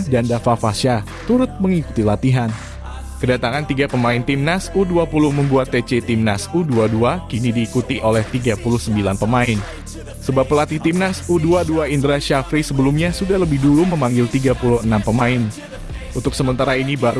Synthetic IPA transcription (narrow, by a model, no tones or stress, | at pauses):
dandafafasa | t̪uɾʊt̪̚məŋiku̥t̪ilat̪iɦan | kədat̪aŋant̪iɡapəmaɪnt̪imnasuduapulʊhməmbuat̪ːet͡ʃet̪imnasuduaduakinidiːkut̪iʔolɛht̪iɡapulʊhsəmbilanpəmaɪn | səbap̚pəlat̪iht̪imnasuduaduaindoɾasʃafɾisəbəlumɲasudahləbɪhduluməmaŋɡɪlt̪iɡapuluhənampəmaɪn | unt̪ʊk̚səmənt̪aɾainibaɾ